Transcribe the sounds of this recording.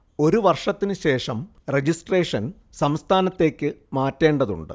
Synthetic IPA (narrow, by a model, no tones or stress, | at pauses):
o̞ɾuʋɐrʂɐt̪ːinɨɕe̞ːʂɐm | red͡ʑisʈre̞ːʂɐn | sɐmst̪ʰaːnɐt̪ːe̞ːkʲːɨmaːtːe̞ːɳɖɐðṵɳɖɨ̰